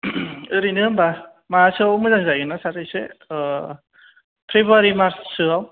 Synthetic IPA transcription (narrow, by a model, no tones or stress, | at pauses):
ɯɾinɯmba | masɯwmɯzaŋzajɡɯnasaɾɯjse | pʰɾebaɾimaɾssɯaw